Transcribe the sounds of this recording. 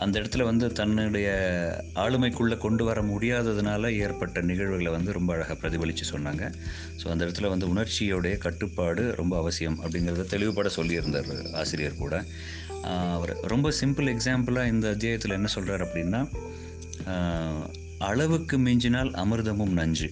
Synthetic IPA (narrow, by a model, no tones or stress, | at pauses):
ʔɐnd̪ɐɪɽɐt̪ːɪlɐʋɐnd̪ɯt̪ɐnːɯɽɐjɐaːɭɯmɐɪkːɯɭːɐkɔɳɖɯʋɐɾɐmʊɽɪjaːðɐðɯnaːlɐeːɾpɐʈːɐnɪɣɐɻʋɯɣɐɭʋɐnd̪ɯɾɔmbɐːɻɐɣɐpɪɾɐðɪbɐɭɪt͡ʃːɯsɔnːaːŋɡɐ | so̰ːɐnd̪ɛɽɐt̪ːɯlɐʋɐnd̪ɯʊɳɐɾt͡ʃːɪjoːɽɐjɐkɐʈːɯpːaːɽɯɾʔɔmbɐːʋɐsɪjɐmɐ̰pːɐɽɪnɡɪɾɐðɯt̪ɛɭɪʋɯpːaːɽɐsɔlːɪɪɾɯnd̪a̰ːɾa̰ːsɪɾɪjɐɾkuːɽɐ | ɐʋɐɾɾɔmbɐsɪmpɯlɛksaːmpɐlaːɪnd̪ɐɐt̪̬ːɪjaːjɐt̪ːɪlɛnːɐsɔlraːɾɐpːɐɽɪnːaː | ɐɭɐʋɯkːɯmeːɲd͡ʒɪnaːlɐ̰mɯɾɯðɐmɯmnɐɲd͡ʒɯ